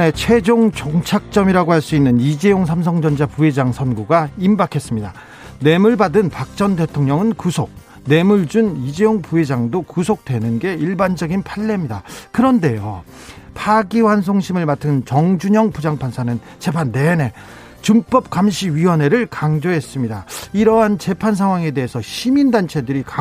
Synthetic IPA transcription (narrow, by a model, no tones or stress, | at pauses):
ne̞t͡ɕʰwe̞d͡ʑoŋt͡ɕoŋt͡ɕʰak̚t͡ɕ͈ʌmiɾaɡohaɭs͈uinːɯnid͡ʑe̞joŋs̬ʰamsʰʌŋd͡ʑʌnd͡ʑapue̞d͡ʑaŋsʰʌnɡuɡaimbakʰe̞s͈ɯmɲida | ne̞muɭbadɯnpak̚t͡ɕ͈ʌnde̞tʰoŋɲʌŋɯnkusʰok̚ | ne̞muɭd͡ʑunid͡ʑe̞joŋpue̞d͡ʑaŋdokusʰok̚t͈we̞nɯnɡe̞iɭband͡ʑʌɡinpʰaɭːe̞mɲidakɯɾʌnde̞jo | pʰaɡiwans̬ʰoŋɕʰimɯɭmatʰɯnt͡ɕʌŋd͡ʑuɲʌŋpud͡ʑaŋpʰansʰanɯn | t͡ɕe̞pʰanːe̞ne̞ | t͡ɕɯmp͈ʌp̚k͈amɕʰiɥiwʌne̞ɾɯɭkaŋd͡ʑoɦe̞s͈ɯmɲidaiɾʌɦant͡ɕe̞pʰans̬ʰaŋɦwaŋe̞de̞ɦesʰʌɕʰimindant͡ɕʰe̞dɯɾika